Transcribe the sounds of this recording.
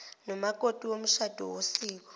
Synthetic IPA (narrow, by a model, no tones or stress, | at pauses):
nɔmakʼotʼiwom̩ʃad̥ʱɔ̰wosiːk̬ɔ̥